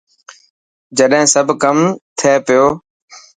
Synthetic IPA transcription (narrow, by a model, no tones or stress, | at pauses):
d͡ʒəɗɦɪ̃ːsəbʱkəmt̪ʰeːpɪjoː